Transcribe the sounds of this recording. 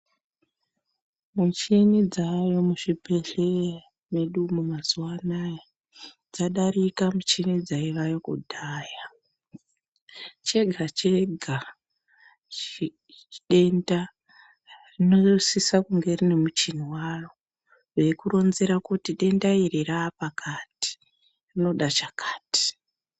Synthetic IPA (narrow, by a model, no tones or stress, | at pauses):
mut͡ʃinid͡zajo̞muʐibʱeɮe | meɗumumazuwana | d͡zaɗaɾikamut͡ʃinid͡zaiʋajo̞kṵdʱaːja | t͡ʃe̞ɡʱat͡ʃe̞ɡʱa | ɗe̞nda | rinosisakuŋɡe̞rine̞mut͡ʃin̤iwaːro | ʋe̞kuro̞nze̞ɾakutiɗe̞ndairiɾaːpakʰati̥ | rino̞ɗat͡ʃakʰaːti̥